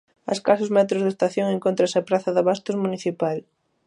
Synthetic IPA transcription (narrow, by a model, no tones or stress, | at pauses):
ɐ̰skasʊzmɛt̪ɾozðest̪aθjoŋeŋkont̪ɾasapɾaθɐðɐβast̪ozmuniθipal